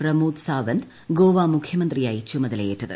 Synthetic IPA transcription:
prɐmuːd̪saːʋɐnd̪ | ɡoːʋaːmukʰjɐmɐnd̪rijaːjit͡ɕːumɐðɐlɐjeʈːɐðɨ̰

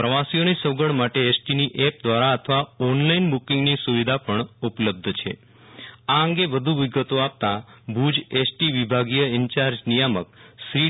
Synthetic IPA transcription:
pɾəʋasijonisəʋɡəɽmaʈeesʈiniʔɛp̚d̪ʋaɾaət̪ʰəʋaɔnlainbukɪ̃ŋɡnisuʋid̪ʱapəɳupələb̚d̪ʱt͡ʃʰḛ | aəŋɡeʋəd̪ʱũʋiɡət̪oap̚t̪abʱud͡ʒesʈiʋibʱaɡijəɪɲt͡ʃaɾd͡ʒnijaməksɾi

